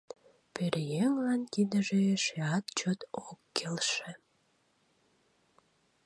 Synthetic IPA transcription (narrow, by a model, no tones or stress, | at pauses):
peɾjeŋlɑnt̪id̪əʒeʃeɑt̪t͡ɕot̪okːelʃĕ